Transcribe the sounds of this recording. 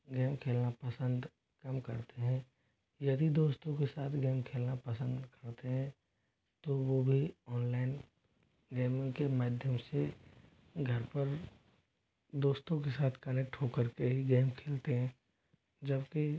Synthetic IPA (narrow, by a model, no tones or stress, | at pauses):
ɡeːmkʰeːlnapəsə̃nd̪ | kɐmkɐɾt̪eɦɛ̃ː | jɐd̪id̪oːst̪õkesaːt̪ʰɡeːmkʰeːlnapəsə̃nd̪kɐɾt̪eɦɛ̃ | t̪oʋobʱiɔːnlaːɪn | ɡeːmõkemaːd̪ʱjəmse | ɡʱɐɾpəɾ | d̪oːst̪õkesaːt̪ʰkɐneːk̚ʈɦokəɾkeɦiɡeːmkʰeːlt̪eɦɛ̃ː | d͡ʒəbki